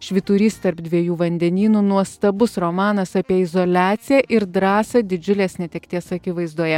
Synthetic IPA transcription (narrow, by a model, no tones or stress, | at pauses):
ʃʲʋʲɪt̪uːɾʲiːst̪ɐɾpd̪ʲʋʲiɛjuːʋɐnʲd̪ʲɛnʲiːnuːnuɔst̪ɐbʊsɾɔmɑːnɐsɑpʲiɛɪzolʲæːt̪sʲɪjæːʔɪɾd̪ɾɑːsɐd̪ʲɪd͡ʒʲʊlʲeːsnʲɛt̪ʲɛkt̪ʲiɛsɐkʲɪʋɐɪzd̪uɔjɛ